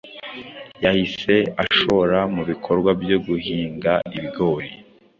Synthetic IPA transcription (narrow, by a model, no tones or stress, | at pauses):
jahise̞aʃoɾamuβikʰo̞ɾɡwabjo̞ɡuhiːŋɡaiβɡo̞ːɾi